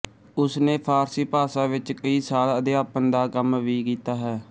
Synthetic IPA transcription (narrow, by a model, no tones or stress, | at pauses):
ʊsnẽːpʰaːɾsiːpaːsãːʋɪt͡ʃkəiːsaːləd̪eːaːpənd̪aːkəmʋiːkiːt̪aːɦɛː